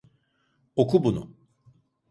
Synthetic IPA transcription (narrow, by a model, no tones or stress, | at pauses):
okʰubunṵ